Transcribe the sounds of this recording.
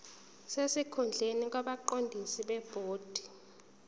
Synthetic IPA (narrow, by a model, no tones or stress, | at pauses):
sesikʰund͡ɮʱenik̬waɓaǃondʱisiɓɛb̥ʱoːd̥ʱi̥